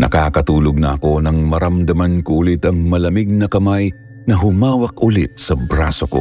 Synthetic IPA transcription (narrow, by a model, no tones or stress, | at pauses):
nɐ̰kaːkɐt̪uːloɡ̚nɐʔɐko̞nɐŋmɐɾɐmd̪ɐmankoʔulit̪ɐŋmɐlɐmiɡ̚nɐkɐmaj | nɐɦʊmaːwɐk̚ʔʊlit̪̚sɐbɾaːsoko̞̰